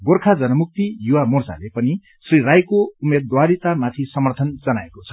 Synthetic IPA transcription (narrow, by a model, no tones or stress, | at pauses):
ɡorkʰad͡zʌnʌmuk̚t̪ijuwamort͡sa̰lepʌni | srirajkoumed̪waɾit̪amat̪ʰisʌmʌrt̪ʰʌnd͡zʌnaekot͡sʰʌ̥